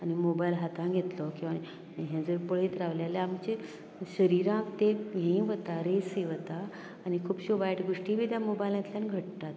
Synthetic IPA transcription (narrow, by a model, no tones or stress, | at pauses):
animobajlɦat̪ʰãɡʱet̪lɔkĩw̃ʋã | ɦjãd͡zəɾpəɭet̪ɾaʋljaleamt͡ɕe | ɕəɾiɾãkt̪ejẽĩʋət̪aɾeseʋət̪aː | ñikʰuːpɕobajʈɡoʂʈibʱid̪jamobajlãt̪ljãnɡʱəʈ̚t̪at̪